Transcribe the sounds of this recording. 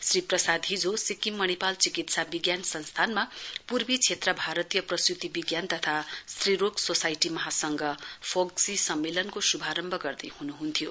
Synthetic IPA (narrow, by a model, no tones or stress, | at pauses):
sriprʌsad̪ʱɦid͡zosikimːʌnipalt͡sikit̪sabiɡjansʌnst̪ʰanmapurbit͡sʰet̪rʌbʱaɾʌt̪ijʌprʌsut̪ibiɡjant̪ʌt̪ʰasriɾoɡsosajʈimʌɦasʌŋɡʌpʰoɡsisʌmːelʌnkosubʱaɾʌmbʱʌɡʌrd̪ʌjhunuɦunt̪ʰijo